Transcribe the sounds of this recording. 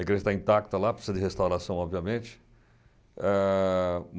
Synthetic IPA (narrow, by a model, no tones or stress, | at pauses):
kɾẽt̪ãĩt̪ak̚t̪ɐlapɾsizɐd̪ɪhest̪awɾasɐ̃w̃ɔbviɐmẽt͡ʃɪ̥ | ɛ | m